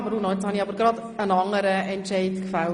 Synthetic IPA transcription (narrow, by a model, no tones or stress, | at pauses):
bəɾunɔɛt͡shɑniɑbəɾɡɾɑd̪ | ənɑŋːəɾəɛntʃɛɪtkfal